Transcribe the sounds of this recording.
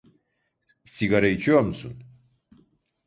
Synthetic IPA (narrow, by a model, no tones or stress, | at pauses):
siɡaɾait͡ʃʰijoɾmusṵn